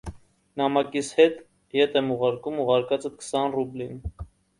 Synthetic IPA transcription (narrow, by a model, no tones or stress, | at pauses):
nɑmɑkishɛt̪ | jɛt̪ʰɛmuʁɑɾkumuʁɑɾkɑt͡səkʰə̥sɑnrublin